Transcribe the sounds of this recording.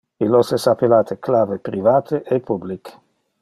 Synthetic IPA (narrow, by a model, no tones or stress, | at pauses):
ilosesapelaːt̪ʰeklaːvepɾivaːt̪ʰeʔepʰublik